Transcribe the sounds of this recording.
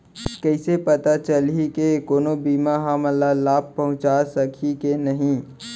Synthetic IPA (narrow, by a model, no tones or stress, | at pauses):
kəɪsepɐt̪at͡ʃəlikekoːnobiːmaɦaməlːalaːb̚pɐɦʊ̃t͡ʃasɐkʰikenɐɦĩ